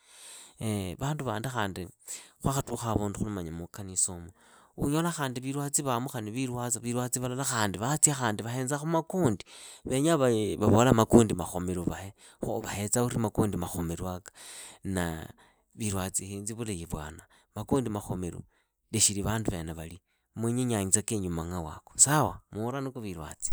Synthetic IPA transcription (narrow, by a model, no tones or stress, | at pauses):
βaːnduβaːndixaːndixwaxatuxaβoːnduxulumaɲamukanisomo | uɲolaxaːndiβiɾwat͡siβamuxaniβiɾwat͡saβiɾwat͡siβalalaxaːndiβat͡sijaxaːndiβaheːnzaxumakuːndiβe̞ɲaβaβaβolamakuːndimaxo̞meɾoβahe | xo̰βahet͡sauɾimakuːndimaxomeɾwakḁna̰ | βiɾwat͡sihinziβulejeβwa̰ːna | makuːndimaxomeɾo̰ | leʃiliβaːnduβeneβali | mweɲeɲaɲit͡sakeɲumaŋawa̰kosawamulanikoβiɾwa̰t͡si̥